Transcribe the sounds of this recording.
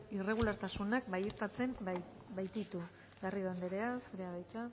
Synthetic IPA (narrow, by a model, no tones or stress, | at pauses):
ire̞ɣ̞ulaɾt̪asunakbajet̪at͡se̞m | bajt̪it̪u | ɡariðand̪eɾe̞asɾeaβajt͡sa